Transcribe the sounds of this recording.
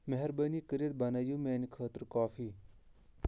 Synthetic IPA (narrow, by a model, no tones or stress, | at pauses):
mɐɦɛɾbəːniːkəɾjət̪̚bɐnaːjũːmeːnikʰəːt̪ɾkaːfʰiː